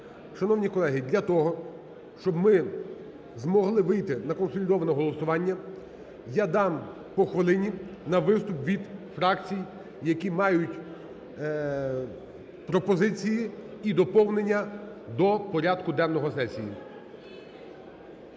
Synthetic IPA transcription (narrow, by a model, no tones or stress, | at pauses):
ʃɐnɔwnʲikɔlˠɛɦɪd̪ʲlʲɐt̪ɔɦɔ | ʃt͡ʃɔbmɪ | zmɔɦlˠɪʋɪjt̪ɪnɐkɔnsɔlʲɪd̪ɔʋɐnɛɦɔlˠɔsʊʋɑnʲːɐ | jad̪ɑm | pɔxʋɐlˠɪnʲinɐʋɪst̪ʊpʋʲid̪fɾɑkt͡sʲij | jɐkʲimɑjʊtʲ | pɾɔpɔzɪt͡sʲijiid̪ɔpɔwnenʲːɐ | d̪ɔpɔɾʲɑd̪kʊd̪ɛnːɔɦɔsɛsʲijḭ